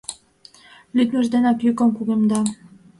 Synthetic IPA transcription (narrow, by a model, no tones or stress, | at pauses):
lʲyt̪mə̆ʒd̪enɑkjykə̆mkuɣemd̪ɑ